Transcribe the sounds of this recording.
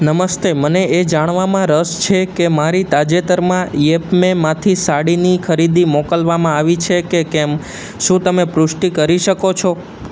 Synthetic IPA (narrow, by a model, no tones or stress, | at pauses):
nəməst̪eməneed͡ʒaɽ̃ʋamãɾəst͡ʃʰekemaɾit̪ad͡ʒet̪əɾmãjepmemãt̪ʰisaɽinikʰəɾid̪imɔkəlʋamãaʋit͡ʃʰekekɛm | ʃũt̪əmepɾʊʃʈikəɾiʃəkot͡ʃʰo